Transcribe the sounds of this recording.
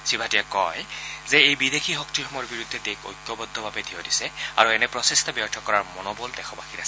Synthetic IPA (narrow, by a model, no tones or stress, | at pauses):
sibʱatijakɔjzɛejbidexʰiɦɔk̚tiɔmɔɹbiɹud̪ʱːɛteko̰jkːjɔbɔd̪ʱːɔbʱabɛdʱiɔdisɛa̰ɹuɛnɛpɹɔsɛstɔbjɔɹtʰɔkɔɹaɹmɔnɔbɔldɛxʰɔbaxʰinasɛ